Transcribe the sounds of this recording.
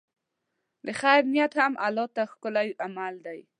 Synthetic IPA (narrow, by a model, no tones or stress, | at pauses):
d̪əxajɾnijat̪hamʔalɔt̪axkʊlajʔamald̪aj